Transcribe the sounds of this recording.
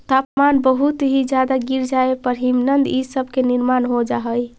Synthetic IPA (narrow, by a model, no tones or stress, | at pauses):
t̪apmanbəɦut̪ɦid͡ʒad̪aɡiɾd͡ʒaepəɾɦimnənd̪isəbʱkeniɾmanɦod͡ʒaɦəj